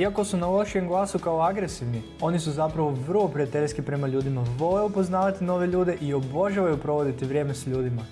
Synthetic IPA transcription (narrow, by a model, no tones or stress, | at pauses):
iako̞sunaulˠaʃieŋɡlˠaːsukaoaɡɾe̞siʋni | o̞nisuzapɾaʋo̞ʋr̩lo̞pɾijat̪e̞ʎʲskipɾe̞maʎuːd̪imaʋo̞lejupo̞znaːʋat̪ino̞ːʋe̞ʎuːd̪e̞ʔio̞bo̞ʒaʋajupɾo̞ʋo̞d̪it̪iʋɾje̞ːme̞sʎuːd̪ima